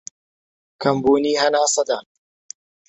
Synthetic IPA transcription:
kʰɐmbuːniːɦɐnaːsˤɑd̪aːn

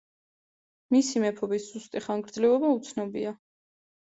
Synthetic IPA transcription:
misimɛpʰɔbisz̥ust̪ʼiχaŋɡɾd̪zlɛɔbaut̪sʰnɔbia

